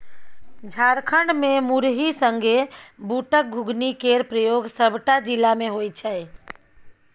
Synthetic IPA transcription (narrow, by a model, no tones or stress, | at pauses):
d͡ʒʱaːɾkʰəɳɖmẽmuɾɦisə̃ŋɡʱebuːʈək̚ɡʱʊɡnikeːɾpɾəjoːɡsəbʈad͡ʒɪlamẽɦoːit͡ʃʰae